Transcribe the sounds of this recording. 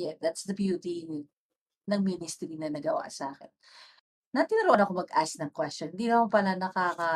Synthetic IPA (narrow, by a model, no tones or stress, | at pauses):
jɛd̪at̪sd̪ɐbjuːt̪i | nɐɡ̚minɪst̪ɾinɐnɐɡɐwa̰ʔsɐʔaːkɪnː | ɐt̪inɐɾoʔɐnɐko̞mɐɡʔasnɐŋkwɛstɔnhɪnd̪iːnɐmampɐlanɐkaːkɐ